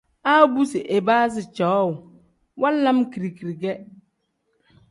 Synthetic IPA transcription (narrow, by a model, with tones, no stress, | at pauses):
a˦bu˦sɪ˨ʔe˨baː˦sɪ˨t͡ʃa˨˦ɔ˦ʊ˨ | wa˦la˦mki˨ɾi˨ki˨ɾi˨ɡɛ˦